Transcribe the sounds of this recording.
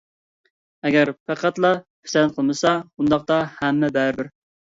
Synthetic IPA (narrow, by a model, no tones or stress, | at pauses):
ɛɡʲæɾpʰæqʰæt̪lˠɑpʰɪ̥sɛnqʰəlˠmɨsɑund̪ɑq̚t̪ɑhɛmːɛbæɾbɪɾ